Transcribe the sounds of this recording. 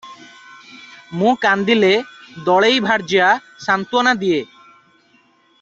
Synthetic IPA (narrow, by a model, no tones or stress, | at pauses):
mũkand̪iled̪ɔɭejbʱaɽd͡ʒija | sant̪uanad̪ije